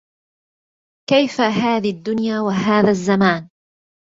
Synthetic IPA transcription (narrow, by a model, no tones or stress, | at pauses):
kajfaɦaːðiad̪ːʊnjaːwaɦaːðaːzːamaːn